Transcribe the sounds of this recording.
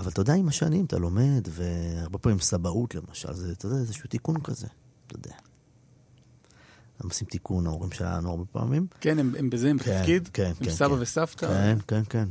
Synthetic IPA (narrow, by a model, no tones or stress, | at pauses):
avalt̪ajodeaimaʃanimt̪a̰lo̞me̞d̪ve̞aʁbe̞paːmimsabaʔut̪le̞maʃa̰lzet̪ajod̪eaezeʃut̪ikunkaze̞̰ | t̪ajod̪ea | namosimt̪ikunaoʁimʃela̰a̰nuaʁbepa̰ːmimkenemembezeemtkeafid̪keneemnsabavesaft̪kaenke̞nke̞n